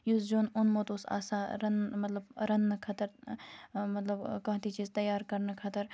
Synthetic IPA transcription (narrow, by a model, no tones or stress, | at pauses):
juzd͡ʒoːnʊnmoːt̪usa̰ːsaːɾɐnmɐt̪lɐbɾɐnːɐkʰɐt̪əɾ | mɐt̪ləbkɐ̃ɦt̪it͡ʃiːzt̪ɐjːaːɾkɐɾnɐkʰɐt̪əɾ